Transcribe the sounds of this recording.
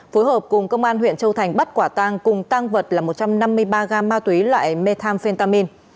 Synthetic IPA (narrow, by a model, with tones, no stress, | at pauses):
foː˨˦jɦhəː˨˩p̚kʊ˨˩ŋ͡mkə˧wŋ͡mʔaː˧nhwḭ˧˨ənt͡ɕə˧wt̪ʰa˨˩jŋ̟ɓə˦˥t̚kwaː˧˩t̪aː˧ŋkʊ˨˩ŋ͡mt̪a˧ŋvə˨˩t̚laː˨˩mo˨˩t̚t͡ɕa˧mna˧mːɨ˧əjɓaː˧ɣaː˧maː˧t̪wi˨˦lwa̰ː˧˨jme˧t̪ʰaː˧mfe˧nt̪aː˧mi˧n